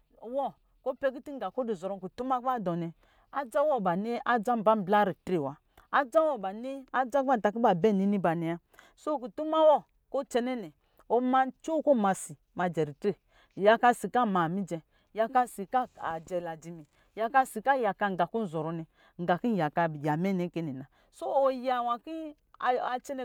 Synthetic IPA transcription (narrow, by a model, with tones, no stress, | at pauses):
wɔ˦ | ko˦pɛ˦ɡi˦ti˦ŋ˦ɡa˨ko˦di˨zɔ˨ɾɔ˦ku˨tu˦ma˦ba˦˨dɔ˨nɛ˨ | a˦d͡ʒa˦wɔ˦˨ba˨ni˦a˦d͡ʒa˦m˦ba˦m˦bla˦ɾi˨tɾe˨wa˨ | a˦d͡ʒa˦wɔ˦˨ba˨ni˦a˦d͡ʒa˦ka˦˨ta˨ki˦ba˨bɛ˦˨ni˨˦ni˦ba˨nɛ˨ja˦ | so˦ku˨tu˦ma˦wɔ˦ | ko˦t͡ʃɛ˧nɛ˦nɛ˨ | o˧ma˧˦t͡ʃo˦ko˦˨ma˧si˨ | ma˧d͡ʒɛ˨ɾi˨tɾe˦˨ | ja˨ka˧si˨ka˦˨ma˨mi˦d͡ʒɛ˧ | ja˧ka˦si˨ka˦˨a˨d͡ʒɛ˧la˨di˨mi˨ | ja˨ka˧si˨ka˦˨ja˨ka˧ŋ˨ɡa˨ku˦n˦˨zɔ˨ɾɔ˨nɛ˨ | ŋ˨ɡa˨ki˦n˦ja˨ka˧˨ja˨mɛ˦˨nɛ˨˦ke˦ni˨na˨ | so˦o˨ja˨wa˨ki˦˨ | a˧t͡ʃɛ˦nɛ˧˦